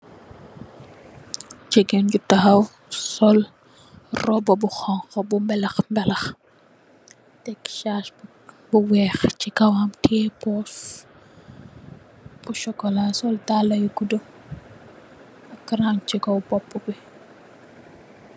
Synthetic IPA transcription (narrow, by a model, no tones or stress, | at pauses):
t͡ʃɛɡɛnɟutːɐxɐw | sɔl | rɔbɔbuxɔŋxɔbumbɛlɐxmbɛlɐx | tɛkʃaːʃ | buwɛːxt͡ʃikɐwamtʰɛːpɔːs | buʃɔkːɔlasɔltaːlɐjukudɔ | ɐkːɾamt͡ʃikɔwbɔpːubi